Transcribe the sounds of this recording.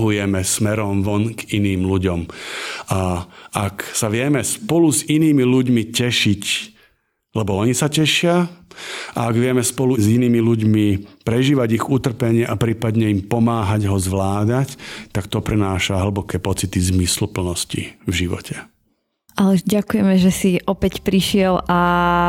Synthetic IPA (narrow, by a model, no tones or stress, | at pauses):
ɦujɛmɛsmɛɾɔmʋɔnɡiniːmluɟɔmaaksaʋɪɛmɛspɔluziniːmiluɟmicɛʃic | lɛbɔɔɲisacɛʃɪa | ʔa̰ːɡʋɪɛmɛspɔluziniːmiluɟmipɾɛʒiːʋaɟiɣut̪r̩pɛɲɪɛʔapɾiːpad̪ɲɛimpɔmaːɦaɟɦɔzʋlaːd̪act̪akt̪ɔpɾɛnaːʃaɦl̩bɔkɛːpɔt͡sit̪izmislupl̩nɔscḭvʒiʋɔ̰cʰɛ | alɛɟakujɛmɛʒɛsiʔɔpɛcpɾiʃɪɛlʔa